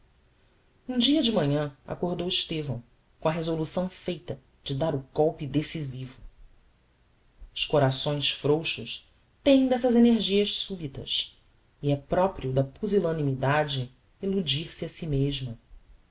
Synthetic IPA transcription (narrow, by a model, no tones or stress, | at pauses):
ũd͡ʒiɐd͡ʒɪmɐ̃ɲɐ̃a̰koɾd̪owiʃt̪evɐ̰̃w̃ | kõɐɦezolusɐ̃w̃fejt̪ɐ | d͡ʒɪd̪aɾʊɡɔwpid̪esizivu | ʊʃkoɾasõj̃sfɾowʃuʃ | t̪ẽj̃d̪ɛsɐzeneɾʒiɐʃsubit̪ɐ̰s | iɛpɾɔpɾiud̪ɐpuzilɐ̃nimid̪ad͡ʒɪ | elud͡ʒiɾsiɐsimeʒmɐ